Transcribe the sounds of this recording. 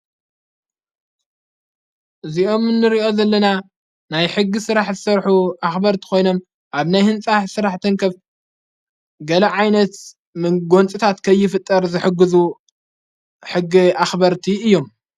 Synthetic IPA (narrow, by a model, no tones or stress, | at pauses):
ʔɨzio̞mɨnːɨɾiʔo̞zɐlːɐna | najħɨɡːisɨɾaħzɨsɐɾħuʔaxbɐɾt̪ʰi̥ko̞jno̞m | ʔaβnajhɨnt͡sʼaħsɨɾaħt̪ʰɐŋkʰɐf | ɡɐlɐʕajnɐt̪ | mɨɡo̞nt͡sʼɨt̪ʰat̪kʰɐjːɪfɨt̪ʼːɐɾzɨħɨɡːɨzu | ħɨɡːiaxbɐɾt̪ʰiɨjːo̞m